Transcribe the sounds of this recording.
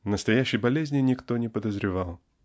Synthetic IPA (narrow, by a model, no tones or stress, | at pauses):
nəst̪ɐjæɕːɪjbɐlʲezʲnʲɪnʲɪkt̪o̞nʲɪpəd̪əzɾʲɪvɑlˠ